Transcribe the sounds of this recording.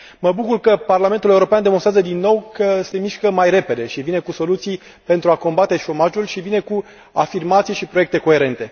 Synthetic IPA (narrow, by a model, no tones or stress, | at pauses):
məbukurkəparlame̞nt̪ule̞uɾo̞peand̪emonst̪ɾazəd̪inːo̞wkəse̞miʃkəmajre̞pe̞d̪e̞ʃivinekuso̞lut̪sij | pe̞nt̪ɾuako̞mbat̪e̞ʃo̞maʒulʃivine̞ku | afirmat̪sijʃipɾo̞je̞k̚t̪e̞ko̞e̞ɾe̞nt̪e̞